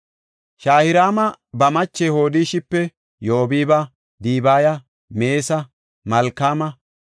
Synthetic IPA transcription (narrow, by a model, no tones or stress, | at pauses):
ʃaːhɪɾaːmɐ | bɐmɐt͡ʃːɛho̞ːd̪ɪːʃɪpːɛ | joːbiːbɐ | d̪iːbaːjɐ | me̞ːsɐ | mɐlkːaːmɐ